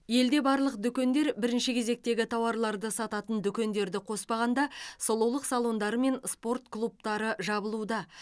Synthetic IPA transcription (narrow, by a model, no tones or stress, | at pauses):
je̞ld̪e̞bɑɾlˠəq̚d̪ʏkʲe̞nd̪e̞ɾbɪɾɪnʃɪkʲʰe̞ze̞k̚t̪e̞ɡʲɪt̪ʰɑwɑɾlˠɑɾd̪əsɑt̪ɑt̪ənd̪ʏkʲe̞nd̪e̞ɾd̪ɪqʰo̞spɑʁɑnd̪ɑsolˠuwlˠəqsɑlˠo̞nd̪ɑɾəme̞nspo̞rt̪klˠup̚t̪ɑɾəʒɑbəlˠud̪ɑ